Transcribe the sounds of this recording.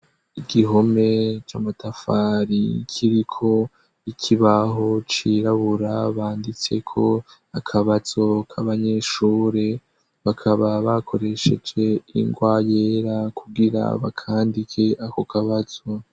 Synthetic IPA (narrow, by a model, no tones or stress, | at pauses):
iɡiɦo̞me̞t͡ʃaːmatafaɾikʰiɾikʰo̞ | ikʰiβaɦo̞t͡ʃiɾaβuɾaβaːndit͡se̞̰kʰo̞ | akʰaβaz̥o̞kʰaβaɲe̞ʃuːɾe | βakʰaβaβakʰo̞ɾe̞ʃed͡ʒe̞ḭŋɡwaːje̞ɾakʰuɡiɾa̰βa̰kʰaːndikʰe̞ʔakokaβazo̞